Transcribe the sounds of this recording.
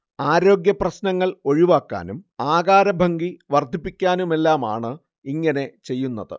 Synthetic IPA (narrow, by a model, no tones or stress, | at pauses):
aːɾo̞ːɡjɐprɐɕnɐŋːɐɭo̞ɻiʋaːkːa̰ːnumaːɣaːɾɐbʱɐŋɡiʋɐrd̪ʱipːikʲːaːnume̞lːaːma̰ːɳɨ | iŋːɐne̞t͡ɕe̞jːunːɐðɨ̰